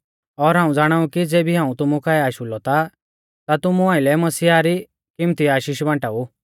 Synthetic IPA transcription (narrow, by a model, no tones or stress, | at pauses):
ɔɾɦãːũd͡zaːɽ̃aːukid͡zeːbiɦãːũt̪ʊmukʰaːɛaːʃulɔt̪a | t̪at̪ʊmuãːɪlɛmɐsiːaɾi | kɪmt̪iaːʃiːʃbãːʈaːu